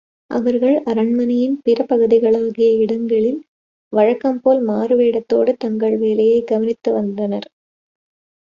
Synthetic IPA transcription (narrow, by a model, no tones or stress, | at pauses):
ʔɐ̰ʋɐɾɣɐɭʔɐɾɐɳmɐnɐjɪnpɪɾɐpɐɣɯðɪɣɐɭaːɣɪjɐɪɽɐŋɡɐɭɪl | ʋɐɻɐkːɐmpoːlmaːɾɯʋeːɽɐt̪ːoːɽɯt̪ɐŋɡɐɭʋeːlɐjɐɪɡɐʋɐnɪt̪ːɯʋɐnd̪ɐnɐɾ